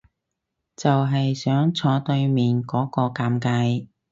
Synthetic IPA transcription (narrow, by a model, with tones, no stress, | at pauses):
t͡sɐ˨wɦɐ˨jsœː˨˥ŋt͡sʰɔː˨˧t̪ɵ˧ɥmiː˨nkɔː˨˥kɔː˧kaː˧mkaː˧j